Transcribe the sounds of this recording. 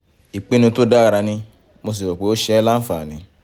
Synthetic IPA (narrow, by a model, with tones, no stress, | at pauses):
i˨k͡pe˨˦nĩ˧˦to˦da˦a˨ɾa˧nĩ˧ | mo˧s̬i˨wɔ˨k͡pe˨˦o˦ʃɛ˧˦la˦n̩˦fa˨nĩ˨˧˦